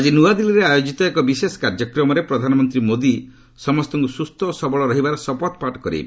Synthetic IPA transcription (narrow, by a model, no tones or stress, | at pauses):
ad͡ʒinuad̪iliɾeajod͡ʒit̪ɔekɔbisesɔ̥kaɾd͡ʒɔkɾɔmɔɾepɾɔd̪ʱanɔmɔnt̪ɾimod̪i | sɔmɔst̪ɔŋkusust̪ʰɔːsɔbɔɭɔɾɔɦibaɾɔsɔpɔt̪paʈɔ̥kɔɾḭ